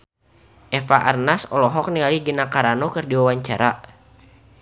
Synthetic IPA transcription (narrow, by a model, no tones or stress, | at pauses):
ʔɛfaʔarnasɔlɔɦɔk̚nialiɡənakaɾanokɨrdiwawaɲt͡ʃaɾa